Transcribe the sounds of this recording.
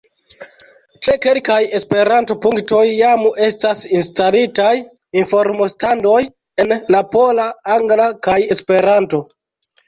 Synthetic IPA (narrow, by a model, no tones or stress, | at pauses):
t͡ʃe̞ke̞lkaje̞spe̞ɾanto̞puŋkto̞jːame̞stasinstalitaj | info̞ɾmostando̞j | e̞nlapo̞laaŋɡlakaje̞spe̞ɾanto̞